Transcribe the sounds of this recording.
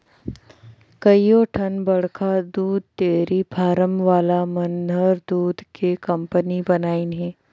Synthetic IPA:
kɐijoʈʰɐnbɐɽkʰad̪uːd̪ʱt̪eːɾibʰʱaːɾəmʋaːlamɐnəɾd̪uːd̪ʱkekɐ̃mpənibɐnaːinɦɛ̃ː

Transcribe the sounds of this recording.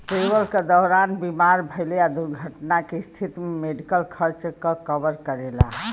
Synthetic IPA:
ʈɾebəlked̪ɔɦɾanbimaɾbʱəɪlead̪uɾɡʱəʈnakest̪ʰit̪memeɖikəlkʰəɾt͡ʃkekəbəɾkəɾela̰

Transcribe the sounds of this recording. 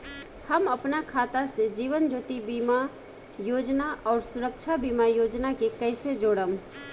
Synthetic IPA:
həməpnakʰaːt̪ased͡ʒiːʋənd͡ʒoːt̪ibima | joːd͡ʒnaʔɔːɾsʊɾəkt͡ʃʰabimajoːd͡ʒnakekəɪsed͡ʒoːɽəm

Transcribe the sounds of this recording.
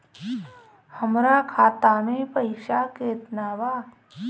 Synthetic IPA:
həmɾakʰaːt̪aːmẽpəɪʃakeːt̪naːbaː

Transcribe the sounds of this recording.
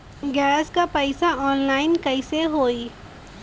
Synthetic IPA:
ɡɛːɾskapɐɪsaɔːnlaːɪnkɐɪseɦoːi

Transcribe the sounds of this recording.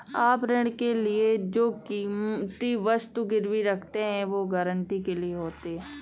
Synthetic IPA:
aːpɾɪɳkelɪed͡ʒoːkiːmt̪iʋəst̪uɡɪɾʋiɾɐkʰt̪eɦɛ̃ʋoːɡəɾəɳʈikelieɦoːt̪eɦɛ̃ː

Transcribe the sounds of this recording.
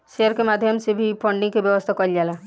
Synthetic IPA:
ʃeəɾkemaːd̪ʱjəmsebʱipʰɔ̃ɳɖɪ̃ŋkebjəʋəst̪ʰakɔld͡ʒaːla

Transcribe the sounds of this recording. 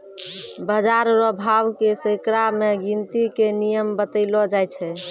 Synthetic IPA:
bəd͡ʒaɾɾəbʱawkesəkɾameɡint̪ikenijəmbət̪əɪlɔd͡ʒajt͡ʃʰɛ

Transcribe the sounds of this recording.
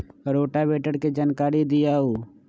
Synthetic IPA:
ɾoːʈabeːʈəɽked͡ʒaːnkaːɾid̪ɪjaːɦuː

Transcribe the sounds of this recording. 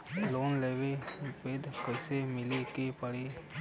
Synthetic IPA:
loːnleːʋepeːd̪kəɪsemɪlikepəɽi

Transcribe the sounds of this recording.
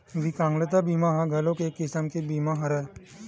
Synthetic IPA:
ʋikãːŋɡlet̪abiːmãɦãɡʱɐlõkekɪsəmkebiːmãɦɐɾɛ

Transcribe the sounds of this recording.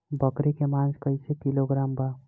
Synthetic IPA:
bʱəkɾekemãnd͡ʒkəɪsekiloɡɾamba

